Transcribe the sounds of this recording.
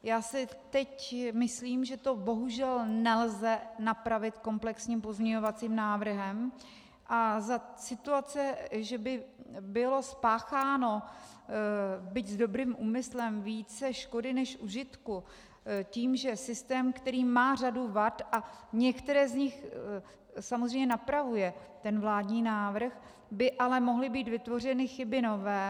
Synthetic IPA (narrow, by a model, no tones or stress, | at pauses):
jaːsɪ | t̪ɛcmɪsliːmʒɛt̪o̞bo̞ɦuʒɛlnɛlzɛnapɾavɪt̪ko̞mplɛksɲiːmpo̞zmɲɛɲo̞vat͡siːmnaːvr̩ɦɛm | ʔazasɪt̪uat͡sɛʒɛbɪbɪlo̞spaːxaːno̞ | bɪczdo̞bɾiːmʔuːmɪslɛmviːt͡sɛʃko̞dɪnɛʃʔuʒɪt̪ku | ciːmʒɛsɪst̪ɛːmkt̪ɛɾiːmaːr̝aduvat̪ʔaɲɛkt̪ɛɾɛːzɲɪx | samozɾrejɲɛnapɾavujɛt̪ɛnvlaːdɲiːnaːvɾ̩x | bɪʔalɛmo̞ɦlɪbiːt̪vɪt̪vo̞r̝ɛnɪxɪbɪno̞vɛː